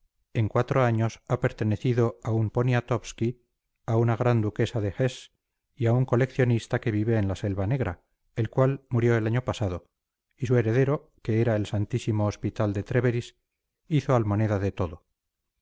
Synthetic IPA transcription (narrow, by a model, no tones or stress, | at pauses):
e̞ŋkwat̪ɾo̞aɲo̞sape̞ɾt̪e̞ne̞θiðo̞aumpo̞niat̪o̞pski | aunaɣ̞ɾand̪uke̞saðe̞xes | iauŋko̞le̞kθjo̞nist̪ake̞β̞iβe̞ːnlase̞lβane̞ɣɾa̰ | e̞lkwalmuɾjo̞e̞laɲo̞pasaðo̞ | is̬ue̞ɾe̞ðe̞ɾo̞ | ke̞eɾae̞lsant̪isimo̞ːspit̪ald̪e̞t̪ɾe̞βeɾis | iθo̞almo̞neðaðe̞t̪o̞ðo̞